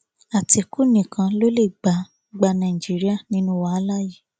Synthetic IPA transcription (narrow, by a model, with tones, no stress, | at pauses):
a˨ti˧ku˦nĩ˨kʰã˧lo˦le˦˨ɡ͡ba˨˦ | ɡ͡ba˧nã˨i˨d͡ʒi˨˦ɾi˦a˦˨nĩ˦nũ˦wa˦a˦la˦ji˦˨